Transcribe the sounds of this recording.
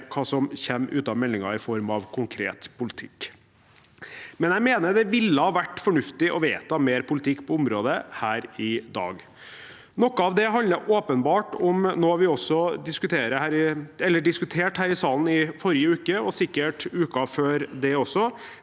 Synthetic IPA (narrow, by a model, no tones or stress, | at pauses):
kʰɑːsɔmçɛmːʔʉ̰ːt̪ɑʋmɛlːɪŋɑɾɪfɔɾmɑʋkʰʊŋkʰɾḛːt̪pʰʊlɪt̪ʰɪkː | mɛnjæɪmeːnəd̪ɛʋɪlːəhɑːʋæʈːfɔɳʉft̪ɪʔɔʋeːt̪ɑmeːɾpʰʊlɪt̪ʰɪkːpʰɔʊmɾoːd̪əhæːɾɪd̪ɑ̰ːɡ | nɔkːəɑʋd̪ɛɦɑnləʔoːpənbɑːʈɔmnoːʋɪɔsːɔd̪ɪskʉt̪ʰeːɾəhæːɾɪɛlːəɖɪskʉt̪ʰeːʈhæːɾɪsɑːln̩ɪfɔɾɪəʉːkəɔsɪkːəʈʉːkɑføːɾd̪ɛɔsɔ